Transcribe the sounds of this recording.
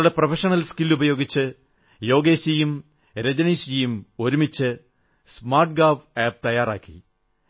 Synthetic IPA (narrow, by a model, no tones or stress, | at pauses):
ɽeprɐfʰɐʂɐnɐlskilːubɐjo̞ːɡit͡ɕːɨ | jo̞ːɡeːɕijum | ɾed͡ʑɐniɕijumo̞ɾumit͡ɕːɨ | smaːrʈ̚ɡaːfeːb̚t̪ɐjaːra̰ːkːḭ